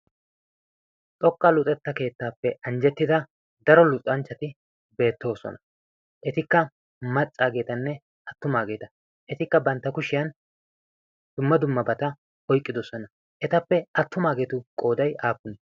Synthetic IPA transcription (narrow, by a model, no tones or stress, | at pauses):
t̪ʼɔkʼːɐlʊt̪ʼɛt̪ːɐke̞ːt̪ːaːpːɛʔɐnd͡ʒɛt̪ːɪd̪ɐ | d̪ɐɾɔlʊt̪ʼɐnt͡ʃːɐt̪ɪ | be̞ːt̪ːo̞ːsɔ̰nɐ | ʔɛt̪ɪkːɐ | mɐt͡sʼːaːɡe̞ːt̪ɐnːɛ | ʔɐt̪ːʊmaːɡe̞ːt̪ɐ | ʔɛt̪ɪkːɐbɐnt̪ːɐkʊʃɪjɐn | d̪̥ʊmːɐd̪ʊmːɐbɐt̪ɐ | ɔjkʼːɪd̪ɔsɔnɐ | ʔɛt̪ɐpːɛɐt̪ːʊmaːɡe̞ːt̪ʊkʼo̞ːd̪ɐjaːpːʊnɛ